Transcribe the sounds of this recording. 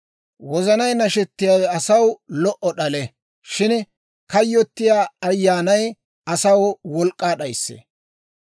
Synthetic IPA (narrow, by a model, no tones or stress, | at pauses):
wɔzɐnɐjnɐʃɛt̪ːɪjaːwɛɐsɐwlɔʔɔɗɐlɛ | ʃɪn | kɐjːɔt̪ːɪjaːɐjːaːnɐj | ɐsɐwwɔlkʼːaːɗɐjsːḛː